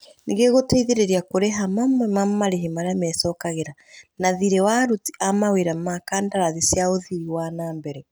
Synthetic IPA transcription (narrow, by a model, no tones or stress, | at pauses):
niɣeɣoteiðeɾeɾiakoɾeɦamamwɛmamaɾeɦemaɾeamɛsɔːkaɣeɾa | naðiɾewaɾuti̥ʔamaweɾamakaːndaɾaðisjaoðiɾiwanaːmbɛɾɛ